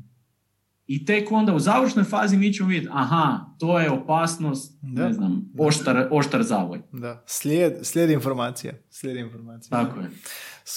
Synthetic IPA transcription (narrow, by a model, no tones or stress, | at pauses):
it̪e̞ko̞nd̪auzaːʋəɾʃno̞jfaːzimit͡ɕemoʋidʲet̪ʲaɦat̪ojeopaːsno̞st̪neznamoʃt̪aɾo̞ʃt̪aɾzaːʋo̰jd̪aslʲed̪slʲjed̪infoɾmaːt̪sija̰slʲed̪iinfoɾmaːt̪sit̪akoje